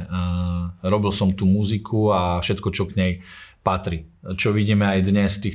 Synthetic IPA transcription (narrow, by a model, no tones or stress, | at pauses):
ɾɔbilsɔmt̪uːmuzikʰuafʃɛt̪kɔt͡ʃɔɡɲɛjpat̪ɾit͡ʃɔʋiɟiːmɛajd̪ɲɛst̪iːx